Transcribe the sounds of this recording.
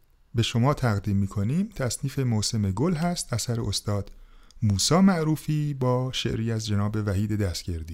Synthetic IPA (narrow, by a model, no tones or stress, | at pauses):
be̞ʃo̞mɒːt̪ʰæɣd̪iːmːiːkʰo̞niːmt̪ʰæsniːfe̞mose̞meɡolɦæst̪æsæɾeost̪ɒːd̪̥ | muːsɒːmæʔɾuːfiːbɒːʃe̞̰ʔɾiːæzd͡ʒe̞nɒːbe̞væɦiːd̪e̞d̪æst̪ɟ̥e̞ɾd̪iː